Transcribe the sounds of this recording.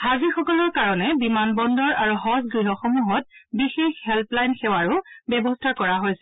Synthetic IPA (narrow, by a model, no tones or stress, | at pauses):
hazixɔkɔlɔɹkaɹɔnɛbimanbɔndɔɹaɹuɦɔsɡɹiɦɔxɔmuɦɔt̚bixexhɛlplajnxɛwaɹubɛbɔstʰaɹkɔɹaɦojsɛ̥